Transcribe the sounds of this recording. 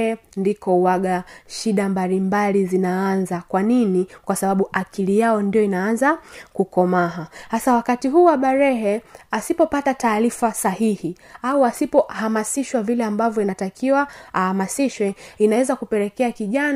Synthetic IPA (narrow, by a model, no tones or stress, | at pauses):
ɛ | ndikɔuwaɠaʃiɗambalimbalizinaanzakwaninikwasaɓaɓuʔakʰilijaɔndijɔinaanzakukɔmaɦahasawakatiɦuːwaɓaɾɛɦɛasipɔpatataːɾifasahihi | auasipɔhamasiʃwavilɛambavjɔinatakiwaahamasiʃwɛinawɛzakupɛɾɛkɛakiʄan